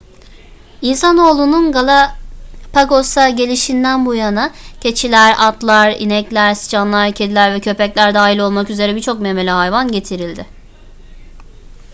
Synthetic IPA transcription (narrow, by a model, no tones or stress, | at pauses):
insano̞ːlˠununɡalˠapʰaɡo̞saɟe̞lʲiʃind̪ænbujanacʰe̞t͡ʃʰilʲæɾat̪lˠaɾḭnɛclʲæɾsi̥t͡ʃʰanlˠaɾcʰe̞d̪ilʲæɾvɛcʰø̞pɛclʲæɾd̪aːɦilʲˠolˠmakyze̞ɾɛbiɾt͡ʃʰo̞k̚meme̞lʲɛɦajvanɟe̞t̪ʰiɾilʲd̪ɪ